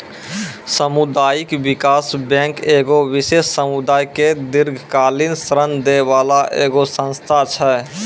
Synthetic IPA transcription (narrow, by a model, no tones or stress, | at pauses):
səmud̪aːjikbɪkaːsbɛ̃ŋkeɡowɪseːsːəmud̪aːjked̪ɪɾɡʱkaːlinsɾənd̪ebaːlaʔḛːɡosə̃nst̪ʰat͡ʃʰɛ